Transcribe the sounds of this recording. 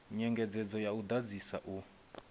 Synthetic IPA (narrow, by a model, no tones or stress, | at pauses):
ɲɛŋɡɛd͡zɛd͡zɔjaud̪ad͡zisaʔu